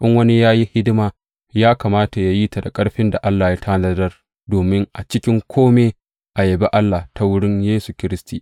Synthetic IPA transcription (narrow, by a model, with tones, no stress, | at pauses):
ʔɪ˦ŋwɐ˦ni˦jaː˦ji˦hɪ˦dɪ˦maː˨ | jaː˦kaː˨maː˦ta˨ja˨ji˦ta˨da˨kʼɐ˦ɽɸɪ˦nda˨ʔa˦lːaː˨ja˦tʰa˦nɐ˦dɐ˦r | doː˨mɪ˦ŋʔa˨t͡ʃɪ˦kʲɪ˦ŋkʷʰoː˦meː˦ | ʔa˨je˨be˦ʔa˦lːa˨ta˦wʊ˦ɽɪ˦ɲjeː˦su˨kʲɪ˦ɾɪ˦stiː˨